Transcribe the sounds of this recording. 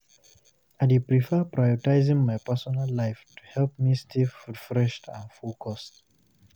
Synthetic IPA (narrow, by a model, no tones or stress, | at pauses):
adepɹifɛpɹajɔtaɪzɪ̃ŋmajpɛ˞sɔnalːaɪftʰu̥hɛlp̚mistʰifɹifɹɛʃtʰãnfulˠkʰɔst